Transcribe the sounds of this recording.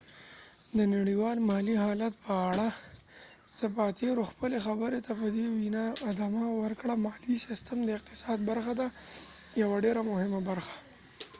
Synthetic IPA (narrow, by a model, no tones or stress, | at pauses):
d̪ənaɽiwɑlmɑliɦɑlat̪̚pəːɽa | z̥əpɑt̪ʰeɾoxpəlexabəɾet̪apəd̪ewinɑɪd̪amawəɾkɽamɑlisɪst̪əmd̪əɪq̚t̪ɪ̥sɑd̪̚baɾxad̪ajawaɖeɾamʊhɪmabaɾxḁ